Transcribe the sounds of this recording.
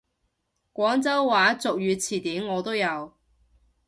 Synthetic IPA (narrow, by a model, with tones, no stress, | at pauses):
kʷɔː˨˥ŋt͡sɐ˥wːaː˨˥t͡sʊ˨k̚jyː˨˧t͡sʰiː˨˩t̪iː˨˥mŋɔː˨˧t̪o˥wjɐ˨˧w